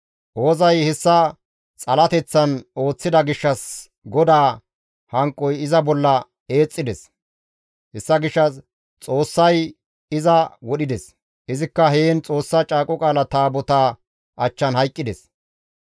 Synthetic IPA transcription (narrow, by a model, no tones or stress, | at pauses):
ʔo̞ːzɐjhɛsːɐ | t͡sʼɐlɐt̪ɛt͡sːɐno̞ːt͡sːɪd̪ɐɡɪʃːɐs | ɡɔd̪aː | hɐŋkʼːɔjɪzɐbɔlːɐ | e̞ːt͡sʼːɪd̪ɛs | hɛsːɐɡɪʃːɐs | t͡sʼo̞ːsːɐj | ɪzɐwɔɗɪd̪ɛs | ʔɪzɪkːɐɦeːnt͡sʼo̞ːsːɐt͡ʃʼaːkʼɔkʼaːlɐt̪aːbɔt̪aː | ʔɐt͡ʃːɐnhɐjkʼːɪd̪ɛs